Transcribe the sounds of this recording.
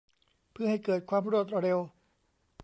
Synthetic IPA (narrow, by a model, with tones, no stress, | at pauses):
pʰɯ˥˩ha˥˩jkɤː˨˩t̪̚kʰwaː˧mɾu˥˩ət̪̚ɾe˧w